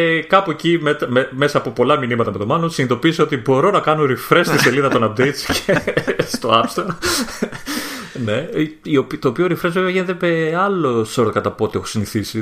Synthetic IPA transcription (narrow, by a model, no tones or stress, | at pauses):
kɐpuecimet̪ɐmeme̞sɐːpopo̞lɐminimɐt̪ɐme̞t̪o̞mɐnosinit̪o̞piseo̞t̪ibo̞ɾo̞nɐkɐnoɾifɾe̞st̪ise̞liðɐt̪onɐp̚d̪e̞jt̪scʰest̪o̞ɐpst̪oɾ | ne̞iopt̪oːpioɾifɾe̞zve̞veɐʝine̞t̪e̞meɐlosoɾt̪kɐt̪ɐpot̪iexo̥siniθisi